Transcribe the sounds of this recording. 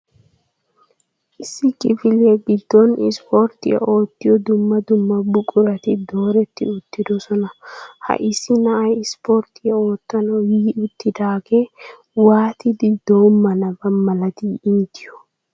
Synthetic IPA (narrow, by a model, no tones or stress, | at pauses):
ʔɪsːɪkʼɪfɪlebɪd̪ːɔnɪ̰spoɾt̪ɪ̰ɐ̰ʔo̞ːt̪ːɪjɔd̪ʊmːɐd̪ʊmːɐbʊkʼʊɾɐt̪ɪd̪o̞ːɾɛt̪ːɪ̰ʊt̪ːɪd̪ɔsɔnɐhɐ̰ʔɪsːɪnɐʔɐjɪspoɾt̪ɪɐo̞ːt̪ːɐnɔjiːʊt̪ːɪd̪aːɡe | waːt̪ɪd̪ɪd̪̥o̞ːmːɐnɐbɐmːɐlɐt̪iːɪnt̪ɪjɔ̥